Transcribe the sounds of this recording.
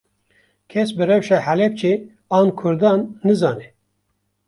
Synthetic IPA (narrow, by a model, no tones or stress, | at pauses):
kʰɛsbɨrɛwʃɛhælɛp̚t͡ʃʰe | ɑːnkʰʊɾd̪ɑːnːɨzɑːnɛ